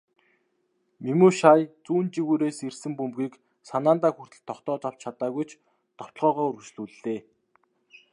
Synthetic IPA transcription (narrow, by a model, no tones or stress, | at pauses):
mimuːʃaːjt͡suːnt͡ɕiɣuːɾeːsersɘ̆mpumpɡiːk | sanaːnt̪aːxur̥t̪ɘ̆ɬt̪ʰːɔχt̪ɔːt͡saw̥t͡ɕt͡ɕʰat̪aːɣujt͡ɕ | t̪ɔ̥t̪̆ɮʁɔːʁɔːɵɾɵt͡ɕɮuːɮeː